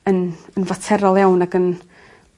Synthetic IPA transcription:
ənənvatʰɛɾɔlˠjawnaɡən

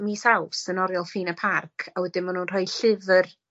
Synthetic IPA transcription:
misawsənɔɾjɔlˠfiːnapʰarkʰawɛdɪnmanunr̥ɔjɬɪvər

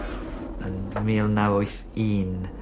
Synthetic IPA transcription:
ənmiːlˠnawɔθ | in

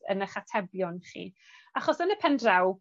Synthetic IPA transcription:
ə̰nəχatʰɛbjɔnχḭː | aχɔsənəpʰɛndrɛw

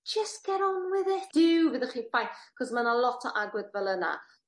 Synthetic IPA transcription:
d͡ʒəstɡ̥ɛɾɔnwɪðɪd̥ɪwvɨðɪχifajθkʰɔsmanalˠɔtʰɔ̰ʔaɡwɪdvɛlˠəna̰

